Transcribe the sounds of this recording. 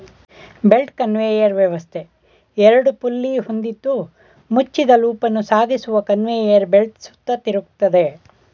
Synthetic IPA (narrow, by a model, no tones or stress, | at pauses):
be̞lʈkɐnʋeːjɐɾʋjɛʋɐst̪ʰe | ɛɾɐɽupulːihond̪id̪ːu | mut͡ʃːid̪ɐluːpɐnːusaːd̪ʱisuʋɐkɐnʋeːjɐɾbelʈsu̥t̪ːɐt̪iɾuk̚t̪ːɐd̪e̞